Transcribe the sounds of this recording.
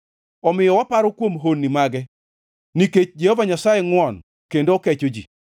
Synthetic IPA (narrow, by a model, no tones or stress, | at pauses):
ɔmɪjɔwapaɾɔkwomɦonːimaɡɛ | niket͡ʃd͡ʒehovaɲasajɛŋwɔn | kendokɛt͡ʃod͡ʒḭ